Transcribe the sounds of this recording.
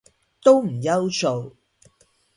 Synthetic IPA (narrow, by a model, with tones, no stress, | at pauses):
t̪o˥wm̩˨˩jɐ˥wso˨w